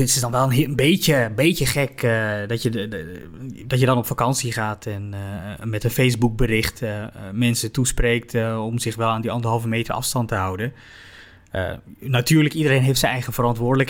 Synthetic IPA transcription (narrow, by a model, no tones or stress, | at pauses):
tɪsdɑnʋɛlˠənənbeəbejəχɛkdɔtjə | dɔtjədɑnɔpfakɑnsiχaːtʰɛnmɛtənfejsbuk̚bərɪχtmɛnsətusprejk̚tɔmzɪxʋɛlˠaːndiɑndəɦɑlˠvəmeːtəɹʔɑ̰fstɑntəɦawdən | ə̰natyːɹləkidəɾejnɦejftsɛnɛjχəvərɑntʋʊːɹdələk